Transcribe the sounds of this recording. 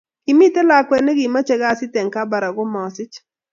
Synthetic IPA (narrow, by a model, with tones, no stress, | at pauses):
ki˨mi˦te˦la˦kwɛ˨nɛ˦ɡi˨ma˦t͡ʃɛ˨˦ɡa˦˨sɪ˦tɛ˨ŋka˦ba˨ɾa˨ɡo˦mɔ˨sɪ˦t͡ʃ